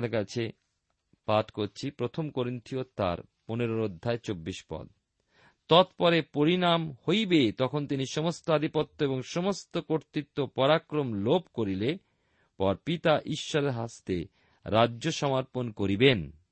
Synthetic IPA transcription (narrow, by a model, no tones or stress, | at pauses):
kat͡ɕʰe | paʈkoɾt͡ɕʰipɾot̪ʰomkoɾint̪ʰiot̪a̰ɾ | poneɾoɾod̪ʱːaet͡ɕobːiʃpɔ̰d̪̚ | t̪ɔt̪pɔɾepoɾinamhojbet̪ɔkʰont̪iniʃɔmost̪oad̪ʱipot̪ːoeboŋʃɔmost̪okoɾt̪it̪ːopɔɾakɾomlobkoɾile | pɔɾpit̪aʔiʃːɔɾeɾɦast̪e | ɾadːʑoʃɔmaɾponkoɾiben